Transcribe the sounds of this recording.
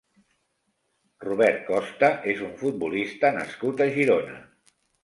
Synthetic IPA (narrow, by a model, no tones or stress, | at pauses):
ruβ̞ɛrt̪̚kɔst̪əʔezuɱfut̪̚bulist̪ənə̰skut̪əʒiɾonə̰